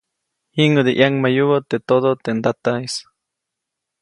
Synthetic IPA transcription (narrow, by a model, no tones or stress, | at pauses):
hiŋəd̪eʔjaŋmajuβot̪et̪od̪ot̪end̪at̪ais